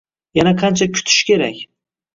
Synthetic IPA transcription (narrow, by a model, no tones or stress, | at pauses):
janaqʰant͡ʃʰakʲʰʊ̥t̪ʰɪ̥ʃkʲʰe̞ɾakʲ